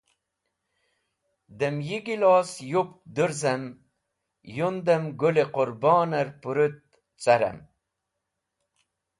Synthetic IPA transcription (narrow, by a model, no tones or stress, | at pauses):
d̪əmjiɡilɑːsjupd̪uɾzɐm | jund̪ɐmɡuleqʊɾbɑːnɐɾpuɾut̪̚ | t͡saɾɐ̰m